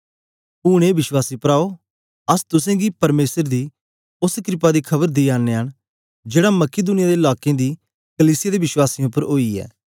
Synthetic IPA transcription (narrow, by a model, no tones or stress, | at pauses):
ʊːɽ̃ẽbɪswaːsipːəɾaːo | ɐst̪ʊsẽɡipɐɾmeːsəɾd̪i | ʊskɾɪpad̪ikʰɐbəɾd̪iaːnːeɦəñ | d͡ʒeːɽamɐked̪ʊnɪjad̪eɪlaːkẽd̪i | kəliːsɪjad̪ebɪʃwaːsĩʊpːəɾoːiɛ̰ː